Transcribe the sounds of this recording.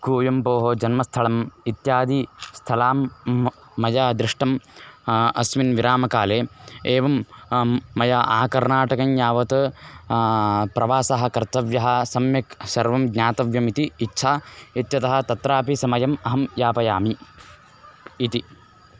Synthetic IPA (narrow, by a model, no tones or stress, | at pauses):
koːjɐmpoːɦod͡ʒɐnmɐst̪ʰɐlɐmit̪jaːd̪ist̪ʰɐlaːmː | ɐjaːd̪ɾɪʂʈɐm | ɐsʋinʋiɾaːmɐkaːleːeːʋɐmː | ɐjaʔaːkɐɾnaːʈɐkɐnjaːʋɐt̪ɐ | pɾɐʋaːsɐɦɐ̆kɐɾt̪ɐʋjɐɦɐ̆sɐmjɐksɐɾʋɐmɡɲaːt̪ɐʋjɐmit̪iːtːʃʰaːit̪jɐt̪ɐɦɐ̆t̪ɐt̪ɾaːpisɐmɐjɐmɐɦɐmjaːpɐjaːmi | t̪i